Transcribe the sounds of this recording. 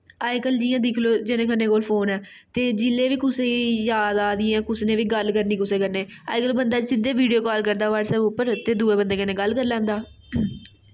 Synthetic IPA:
aːɪkəld͡ʒiːãːd̪ɪkʰloːd͡ʒɪnẽːkʰənːẽːkoːlpʰoːnɛː | t̪eːd͡ʒɪlːeːʋiːkʊsẽːijaːd̪aːd̪ɪjɛ̃ːkʊsnẽːʋiːɡəlkəɾniːkʊsẽːkəɾneːa̰ːɪkəlbənd̪aːsɪd̪eːʋiːɖijoːkɔːlkəɾd̪aːʋaːɖsɛːbʊpːəɾt̪eːd̪uːeːbənd̪eːkɪnẽːɡəlkəɾlɛ̃ːnd̪aː

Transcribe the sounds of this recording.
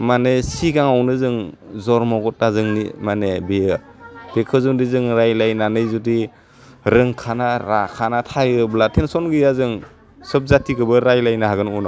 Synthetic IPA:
manesiɡaŋawnɯzɯŋzɔɾmɔɡɔt̚ːazɯŋnḭmanebejɯ | b̥ekʰɯzɯŋdizɯŋɾajlajnanɯjzudi | ɾɯŋkʰanaɾakʰanatʰajɯblatʰensɔnɡɯjazɯŋ | sɯp̚zatʰiɡɯbɯɾajlajnaɦaɡɯnunɔ

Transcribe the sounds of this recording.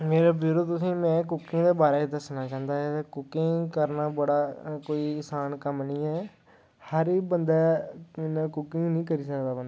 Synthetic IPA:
meːɾaːbɪɾʊd̪t̪ʊsĩːmɛ̃ːk̬ʊkːɪ̃ŋd̪eːbaːɾeːiːd̪əsnaːt͡ʃãːnd̪aːɦɛt̪eːkʊkːɪŋkəɾnaːbəɽaːkoːiːɪsaːnkəmnĩːɛː | həɾiːbənd̪aːɪnãːkʊkɪ̃ŋɡnĩːkəɾiːsəkd̪aːbənd̪aː

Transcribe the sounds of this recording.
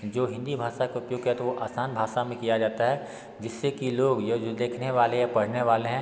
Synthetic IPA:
d͡ʒoːɦɪ̃nd̪ibʱaːʃakeʊpjoːɡkɦɛt̪oʋoʔaːsaːnbʱaːʃamẽkijad͡ʒaːt̪aɦɛ | d͡ʒɪsːekiloːɡjad͡ʒod̪eːkʰneʋaːlejapɐɽ̤neʋaːleɦɛ̃ː

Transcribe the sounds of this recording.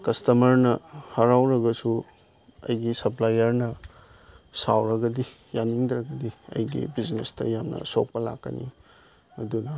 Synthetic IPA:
kɐstɐmɐɾnɐhɐɾawɾɐɡɐsu | ɐ̰jɡisɐplajɐɾnɐ | sawɾɐɡɐdi | janiŋdɾɐɡɐdiɐ̰jɡḭbiznestɐ̰jamnɐ̰sok̚pɐla̰kːɐ̰nʔḭ | mɐdunɐ

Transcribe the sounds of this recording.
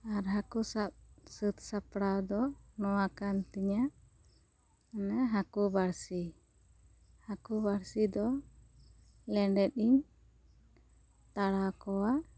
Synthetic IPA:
aɾɦakusap̚sət̪sapɽawd̪ɔnɔwakant̪iɲaʔ | naɦakubaɾsi | hakubaɾsid̪ɔ | lɛɳɖɛt̪̚iɲ | t̪aɽakɔwaʔ

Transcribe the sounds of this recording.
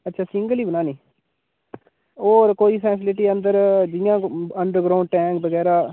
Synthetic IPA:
ətːʃʰaːsɪ̃ŋɡəliːbənaːnĩː | oːɾkoːiːpʰɛːs̬ɪlɪʈiːənd̪əɾd͡ʒɪjãːəɳɖəɾɡɾaːʊɳɖ̚ʈɛ̃ːŋkbəɡɛːɾaː

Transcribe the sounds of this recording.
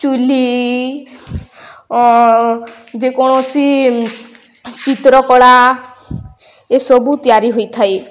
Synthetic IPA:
t͡ʃuli | d͡ʒekɔɽ̃osi | t͡ʃit̪ɾɔkɔɭa | esɔbut̪ijaɾiɦojt̪ʰae

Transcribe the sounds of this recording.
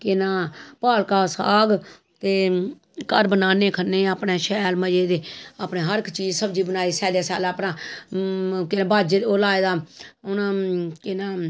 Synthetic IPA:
kɪnãːpaːlkaːsa̰ːɡ | t̪eː | kəɾbənaːneːkʰənːeːaːpneːʃɛːlməd͡ʒeːd̪eːaːpneːɦəɾɪkʰt͡ʃiːd͡ʒsəbd͡ʒiːbənaːiːsɛːleːsa̰ːlaːpnãː | kɪnːbaːd͡ʒeːoːlaːeːd̪aːʊnãːkɪnãː

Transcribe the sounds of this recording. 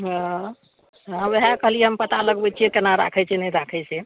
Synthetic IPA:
ɦã | ɦãweɦakəɦlijɛɦəmpət̪aləɡbɛt͡ʃʰijɛkenaɾa̰kʰɛt͡ʃʰɛnɛɾakʰɛse

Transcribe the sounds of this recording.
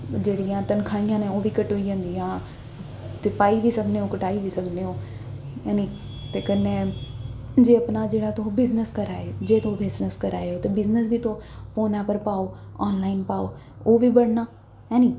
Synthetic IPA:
d͡ʑeːɽijãt̪ɐnkʰaːĩjãːnẽoːbikɐʈɦoiɦə̃nd̪ijãː | t̪epaːiʋisɐɡʱneokʊʈaːiʋisɐɡʱneoː | jaːni | t̪ekɐnẽ | d͡ʑeːɐpnad͡ʑeːɽat̪oɦobɪznəskɐɾaːɦed͡ʑeːt̪oobɪznəskɐɾaːɦeot̪ɐbɪznəsbʱit̪ʰofoːnaːpəɾpaːo | aːnlaːɪnpaːo | obʱibɐɽ̤naː | jaːni

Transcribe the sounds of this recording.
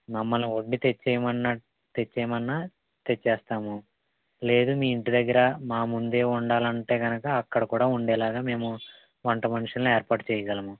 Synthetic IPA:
mɐmːɐluoɳɖit̪et͡ʃːɛːjɐmɐnːɐ | t̪et͡ʃːɛjɐmɐnːa | t̪et͡ʃːɛːst̪aːmu | le̞ːd̪umiːiɳʈid̪ɐɡːɐɾɐmaːmund̪e̞ːuɳɖaːlɐɳʈe̞ːɡɐnɐkɐːkːɐɽɐkuːɽaːuɳɖɛːlaːɡaːme̞ːmu | ʋɐɳʈɐmɐniʂɐneːɾpaːʈt͡ʃɛːjɐɡɐlɐmu

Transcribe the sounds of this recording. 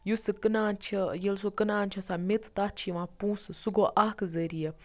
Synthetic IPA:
jusɨkɨnaːnt͡ʃʰɐjelsukɨnaːnt͡ʃʰɐsamet͡s̪t̪at͡ʃʰiʋãːpũːsɨsuɡoʔakzəɾijə

